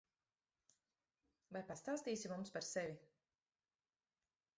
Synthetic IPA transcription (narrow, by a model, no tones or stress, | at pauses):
vajpast̪aːst̪iːsimumspaɾsɛvi